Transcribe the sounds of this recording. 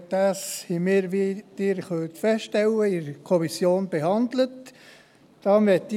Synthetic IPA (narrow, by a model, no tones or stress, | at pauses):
d̥̪ɑːshimɪːɾʋid̪̥ɪːɾχœlt̪fɛsʃtɛwəɪɾkʰɔmisjoːnb̥ehɑnd̪lət | d̥ɑːʋɛt̪ː